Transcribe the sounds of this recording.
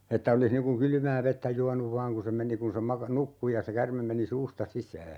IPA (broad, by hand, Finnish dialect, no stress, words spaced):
etːæ olis niŋ kuŋ kyly̆mæː ʋetːæ juɑnuʋ ʋɑːŋ ku se meni kun̞ se mɑkɑ nukːu jɑ se kærmem meni suːstɑ sisæː